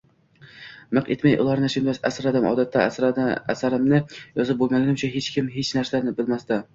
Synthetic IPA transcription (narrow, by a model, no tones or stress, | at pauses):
mɨqet̪majʔʊ̰lˠɑɾnɪʃɪnb̪asa̰sɾad̪ɪmɒ̰ːd̪at̪ʰːaæ̰sæsaɾɪmnɪjɒzɪp̚bolˠmaɡʲɪnɪmt͡ʃʰaɦet͡ʃkʲɪmɦet͡ʃnæɾsanɪbɪlmast̪ɪ